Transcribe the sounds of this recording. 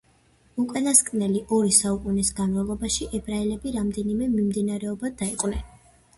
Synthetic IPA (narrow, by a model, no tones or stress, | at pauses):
ukʼanaskʼnɛliʔɔɾisaukʼunisɡanmavlˠɔbaʃiʔɛbɾailɛbiɾamd̪ɛnimɛmimd̪inaɾɛɔbad̪aiqʼwnɛn